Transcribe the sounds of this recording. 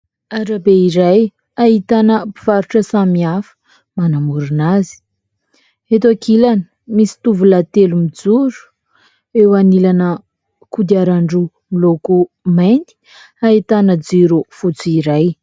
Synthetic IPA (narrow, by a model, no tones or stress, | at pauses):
aɾabeiɾaj | aɦit̪anəpi̥v̥aɾuʈ͡ʂəsamiafə̥ | manamuɾunazi̥ | et̪akʰilanə̥ | misi̥t̪uvulat̪elumid͡zuɾu̥ | ewanilanə | kud̪iaɾaɳɖ͡ʐu | miloku | majnt̪i̥ | ait̪anəd͡ziɾufut͡suiɾaj